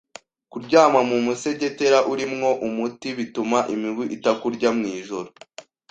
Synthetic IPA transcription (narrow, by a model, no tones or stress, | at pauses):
kuɾɟaːmamumuse̞ɟe̞te̞ɾaʔuɾimŋo̞ʔumutiβitumaʔimiɡwiʔitakuɾɟamŋiːʒo̞ɾo